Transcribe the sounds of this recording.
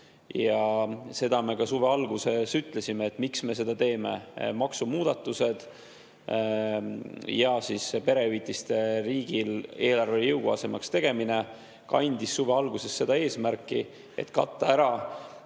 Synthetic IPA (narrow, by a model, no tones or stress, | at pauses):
jɑse̞d̪̥ɑme̞kɑsuve̞ɑlɡ̥use̞syt̪ːˑle̞simeːt̪ːˑmiksme̞se̞d̪̥ɑt̪e̞ːme̞mɑksumuːd̪̥ɑt̪ːˑuse̞d̪̥ | jɑsispe̞ɾe̞vit̪ˑːist̪e̞riːɡ̥ile̞ːlɑrvejɤwɡ̥oɑse̞mɑkst̪e̞ɡ̥e̞mine̞ | kɑ̰nʲd̪̥isːuve̞ɑlɡ̥use̞sːe̞d̪ɑe̞ːsmærkːˑi | e̞̰t̪ːkɑt̪ːˑɑæɾɑ